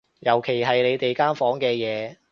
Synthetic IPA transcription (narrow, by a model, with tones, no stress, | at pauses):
jɐ˨˩wkʰe˨˩jɦɐ˨jle˨˧jt̪e˨jkaː˥nfɔː˨˥ŋkɛː˧jɛː˨˧